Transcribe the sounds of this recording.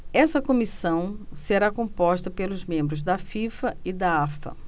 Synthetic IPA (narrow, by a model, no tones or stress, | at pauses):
ɛsɐkõmisɐ̃w̃seɾakõmpɔʃt̪ɐpelʊzmẽmbɾʊzd̪ɐfifɐid̪aafɐ̰